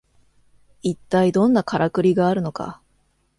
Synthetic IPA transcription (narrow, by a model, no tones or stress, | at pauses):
it̪ːaid̪õ̞nːakaɾʔakɯ̟ɾʲiɡaːɾɯ̟no̞ka̰